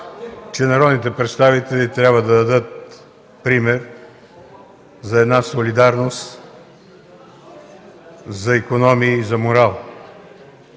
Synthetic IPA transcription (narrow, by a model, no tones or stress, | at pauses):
t͡ʃɛnɐɾɔd̪nit̪ɛpɾɛt̪st̪avit̪ɛlit̪ɾʲjabvəd̪ɐd̪ɐd̪ɤt̪̚ | pɾimɛɾ | zɐɛd̪nasolid̪aɾnost̪ | zɐikonɔmiːzɐmoɾalˠ